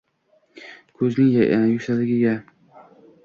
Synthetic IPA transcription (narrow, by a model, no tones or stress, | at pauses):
kʰɵznɪŋjjʊkʲsalɪɡʲɪɡʲa